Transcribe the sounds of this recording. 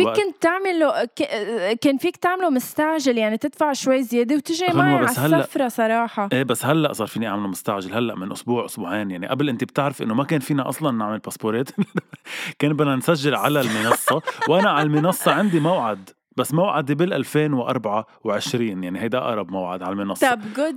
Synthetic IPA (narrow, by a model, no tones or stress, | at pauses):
fiʔkʊntt̪ːaʕmɪlkkeːnfiːkt̪aʕmlumʊst̪aʕʒɪljaʕnit̪ɪd̪faʕʃwajːzjeːd̪iwt̪ɪʒimʊamːabaʕahsalːaːafɾˤɑsˤɑɾˤɑːħɑʔeːbasːhalːaʔsˤɑːɾˤfiːniʔaʕmɪlumʊst̪aʕʒɪlhalːaʔmɪnʔʊsbuːʕʔʊsbuːʕeːnjaʕniʔablʔɪnt̪ib̚t̪ɪʕɾɪfʔɪ̰nːomakeːnfiːnaʔɑ̰sˤlɑnːaʕmɪlpaspoɾeːt̪ʔɪ | keːnbɪnansaʒːɪlʕalalmɪnɑsˤːɑwʔanaʕalmɪnɑsˤːɑʕɪnd̪imawʕad̪ | basːmawʕad̪ibɪlʔalfeːnwʔɑ̰ɾˤbaʕa | wʕɪʃɾiːnjaʕnihajd̪aʔa̰ʔɑɾˤɑbmawʕa̰d̪ʕalmɪnɑsˤːɑbɡʊd̪